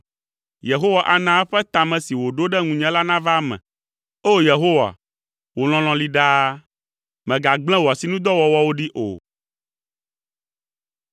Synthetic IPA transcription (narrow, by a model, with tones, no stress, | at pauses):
je˨ɦo˦wa˨ʔa˨nã˦ɛ˦ɸɛ˦t̪a˨mɛ̃˨si˨wo˨ɖo˦ɖɛ˦ŋũ˨ɲɛ̃˦la˦nã˦va˦mɛ̰̃˨ | o˦˨je˨ɦo˦wa̰˨ | wo˨l̃ɔ̃˨l̃ɔ̃˨li˦ɖa˦ | mɛ̃˨ɡa˨ɡ͡blɛ̃˦wɔ˨si˨˦nũ˦d̪ɔ˦wɔ˨wɔ˦wo˦ɖi˦ʔo̰˨